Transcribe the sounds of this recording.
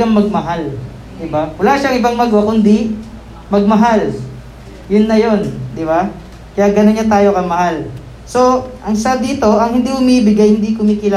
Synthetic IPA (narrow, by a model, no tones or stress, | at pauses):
aŋmɐɡ̚mɐɦal | d̪ɪbawɐlaʃaɐŋʔɪbɐŋmɐɡwakʊnd̪i | mɐɡ̚mɐɦal | jʊnːɐjo̞nd̪ɪba | kɐjaʔɡɐnonɲat̪aːjo̞kɐmɐɦal | so̞ʔɐŋsad̪iːt̪o̞ʔɐŋhɪnd̪ihʊmiːbɪɡajhɪnd̪ikʊmiːkɪla